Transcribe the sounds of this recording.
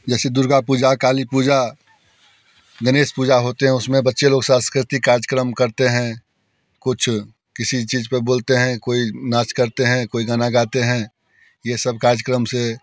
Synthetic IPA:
d͡ʒɛːsed̪ʊɾɡapuːd͡ʒakaːlipuːd͡ʒa | ɡəneːspuːd͡ʒaɦoːt̪eɦɛ̃ʊsmẽbətːʃeloːɡsãːskɾɪt̪ikaːɾd͡ʒkɾəmkɐɾt̪eɦɛ̃ | kʊt͡ʃʰ | kɪsit͡ʃiːzpeboːlt̪eɦɛ̃koːinaːt͡ʃkəɾt̪eɦɛ̃koːiɡaːnaɡaːt̪eɦɛ̃ | jesəb̚kaːɾd͡ʒəkɾəmse

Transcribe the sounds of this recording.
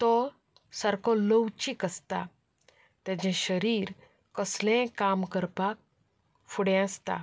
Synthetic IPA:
t̪ɔ | səɾkɔ̃ləwt͡ɕikəst̪a̰ | t̪ɛ̃d͡ʑɛ̃ɕəɾiːɾ | kəslẽkamkəɾpak̚ | fuɽɛ̃ast̪a̰

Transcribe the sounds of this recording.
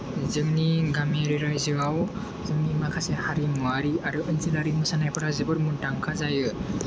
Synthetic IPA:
zɯŋniɡameɾiɾajzɯɡaw | zɯŋnimakʰasehaɾimuaɾiaɾɯʔɯnzilaɾimɯsanajpʰaɾazɯbɯɾmuntaŋkʰazajɯ

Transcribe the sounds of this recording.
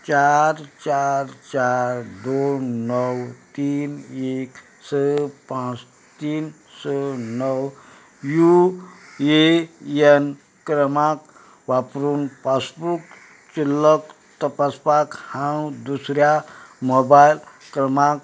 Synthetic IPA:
t͡ʃaɾt͡ʃaɾt͡ʃaɾd̪onəwt̪iːnek | səpãt͡s | t̪iːn | sənəw | ju | een | kɾəmak | ʋapɾuːnpasbuk | t͡ʃilːək | t̪əpaspakhãwd̪usɾjamobajl | kɾəmak

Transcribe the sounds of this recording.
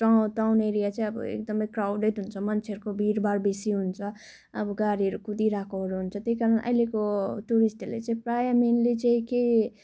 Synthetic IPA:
ʈaʈawneɾijat͡saĩʌbʌ̰ḛkd̪ʌmʌjkrawɖeʈɦunt͡sʰʌmʌnt͡sʰeɦʌɾukobʱiɾbarbesiɦunt͡sʰʌ | ʌbʌɡaɾiɦʌɾukud̪iɾakʰoɦʌɾuɦunt͡sʰʌt̪ejkaɾʌnʔʌ̰jlekoʈuɾisʈlḛt͡saĩprajamenlet͡sãĩke

